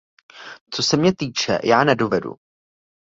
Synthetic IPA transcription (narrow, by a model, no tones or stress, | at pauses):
t͡so̞sɛmɲɛt̪iːt͡ʃɛ̰jaːnɛdovɛdṵ